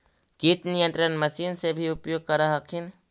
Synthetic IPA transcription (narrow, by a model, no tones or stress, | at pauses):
ɡ̥it̪nɪjə̃nt̪ɾənməsiːnsebʱiʊpjoːɡ̚kəɾaɦəkʰɪn